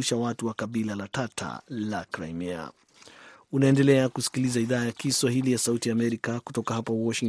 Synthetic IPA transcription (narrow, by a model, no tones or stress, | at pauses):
uʃawatuwakabilalatatʰa̰lakɾa̰jmɛa̰ | unaɛndɛlɛakusi̥kilizaiðaːjakiswaɦilijasautijaːmɛɾikaku̥tɔkaɦapawɔʃiŋ